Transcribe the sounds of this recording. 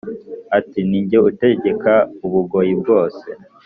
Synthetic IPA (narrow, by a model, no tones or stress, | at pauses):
atiniɲɟeute̞ɟe̞kauβuɡo̞jib̚ɡo̞ːse̞̰